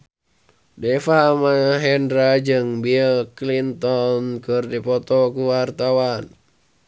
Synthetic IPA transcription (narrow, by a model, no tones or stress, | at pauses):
dɛfamaɦɛndɾad͡ʒɨŋbilklint̪ɔnkɨrdipɔt̪ɔkuwart̪awan